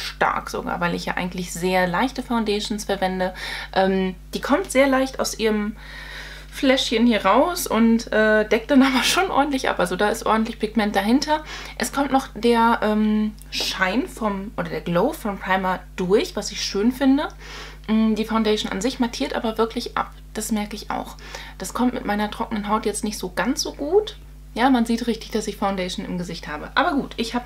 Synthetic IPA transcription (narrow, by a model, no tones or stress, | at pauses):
ʃta̰ɐkz̥o̰ɡa̰ːɐvaɪlɪçjaːʔaɪɡŋ̩tlɪçz̥eːɐlaɪçtəfaʊndɛɪʃnsfɛɐvɛndəʔɛːmd̥iːkʰɔmtz̥eːɐlaɪçta̰ʊsʔiːʁəm | flɛʃçənhɛɐʁaʊsʊntʔɛːd̥ɛk̚t̚d̥anaːbɐʃoːnʔɔ̰ɐdn̩tlɪçʔa̰pʔalzodaːɪstʔɔ̰ɐdn̩tlɪçpɪɡmɛnt̚d̥aɦɪntʰɐʔɛskʰɔmtnɔχd̥eːɐʔɛːm | ʃaɪnfɔmʔoːɾɐdeːɐɡloʊfɔmpaɪmɐd̥ʊɐçv̥asɪçʃøːnfɪndə | diːfaʊndɛɪʃn̩a̰nzɪçmaɐtʰiːɐtʔa̰ːbɐvɪɐklɪçʔa̰p | d̥asmɛɐkəɪça̰ʊx | d̥askʰɔmtmɪt̚maɪnɐtʁ̥ɔkənənɦaʊtjɛt͡stnɪçtz̥oːɡant͡sz̥oːɡuːt | jaːmanziːtʁɪçtɪçd̥asɪçfaʊndɛɪʃn̩ɪ̰mɡəzɪçthaːbəʔa̰ːbɐɡuːtʰʔɪçhaːb